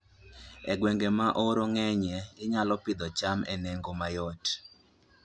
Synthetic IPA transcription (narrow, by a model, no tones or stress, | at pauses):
ɛɡwɛŋɡemaʔoɾoŋɛɲɛɪɲalɔpɪd̪ɔt͡ʃamɛnɛŋɡomajɔt